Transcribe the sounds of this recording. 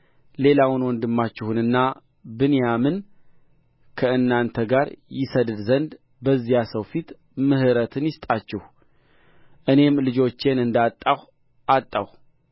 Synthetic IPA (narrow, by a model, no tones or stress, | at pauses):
le̞lawʊnwɔnd̪ɨmːat͡ʃːɪhɨnɨnːa | bɨnjamɨn | kʰəɨnːant̪ʰəɡaɾjɪsəd̪ɨd̪zənd̪ | bəzːijasəwfit̪ | mɨhɨɾət̪ʰɨnjɪst̪ʼat͡ʃːɛh | ʔɨne̞mlɨd͡ʒo̞t͡ʃːe̞nɨnd̪at̪ʼːah | ʔat̪ʼːah